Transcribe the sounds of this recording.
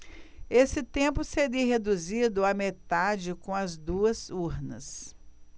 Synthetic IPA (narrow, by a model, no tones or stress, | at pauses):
esɪt̪ẽpʊseɾiɦed̪uzid̪ʊamet̪ad͡ʒɪkõɐzd̪uɐzuɾnɐ̰s